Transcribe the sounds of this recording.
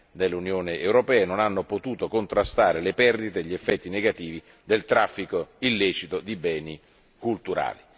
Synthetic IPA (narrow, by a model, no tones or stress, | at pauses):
d̪elːunjoːneʔewɾopɛːenonanːopot̪uːt̪okont̪ɾast̪aːɾelepɛrd̪it̪eʎːiefːɛt̪ːineɡat̪iːvi | d̪elt̪ɾafːikoilːɛːt͡ʃit̪od̪ibɛːni | kult̪uɾa̰ːli